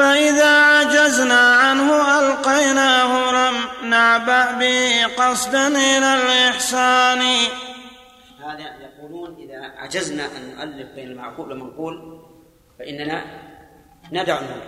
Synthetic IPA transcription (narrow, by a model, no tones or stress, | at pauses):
faʔɪðaːʕad͡ʒaznaːʕanhʊʔalqɑjnahʊlamnaʕbaʔbɪhqɑsdanɪlalʔɪħsaːni | haːðajɑquːluːnʔɪðaʕa̰d͡ʒaznaʔanːʊʔalːɪfbeːnalma̰ʕquːblamanquːl | faʔɪnːana | nad̪aʕanhʊ